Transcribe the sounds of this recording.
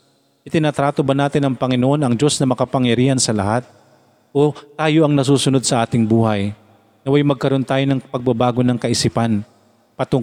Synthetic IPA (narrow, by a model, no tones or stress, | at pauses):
ʔɪt̪ɪnɐt̪ɾaːt̪obɐnaːt̪ɪnɐŋpɐŋɪnoʔo̞nɐŋd͡ʒo̞snɐmɐkɐpɐŋjɐɾiːhɐnsɐlɐ̰hat̪̚ | ʔot̪aːjo̞ʔɐŋnɐs̬uːsʊno̞d̪̚sɐʔaːt̪ɪŋbuːhɐj | nɐwajmɐɡ̚kɐɾo̞nt̪aːjo̞nɐŋpɐɡ̚bɐbaːɡo̞nɐŋkɐʔɪsiːpan | pɐt̪o